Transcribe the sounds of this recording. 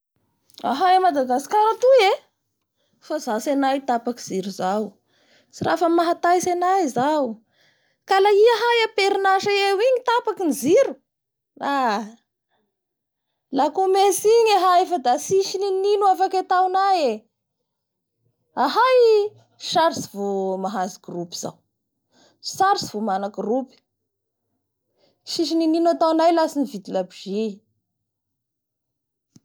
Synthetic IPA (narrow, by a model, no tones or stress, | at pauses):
a̰ɦajamad̪aɡasi̥kaɾat̪ue | fazasenajt̪apakiziɾuzaw | t͡sirʔafəmaɦat̪ajsenajzawu | kalaiaɦajapeɾinaʃaewiɲit̪apakinziɾu | a | lakumesiɲeɦaefəd̪asiʃinininuafaket̪awnaje | aɦaj | ʃaɾsivomaɦaziɡrupiz̥a̰w | saɾsivomanakrupi̥ | ʃiʃ̬inininat̪awnajlasinivid̪ilabiʒi